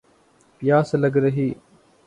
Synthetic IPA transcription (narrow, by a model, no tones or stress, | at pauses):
pɪjaːsləɡɾəɦiː